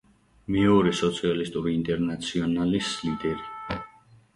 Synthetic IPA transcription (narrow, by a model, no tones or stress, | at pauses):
mɛɔɾɛsɔt̪sʰialist̪ʼuɾiːnt̪ʼɛɾnat̪sʰiɔnalislid̪ɛɾi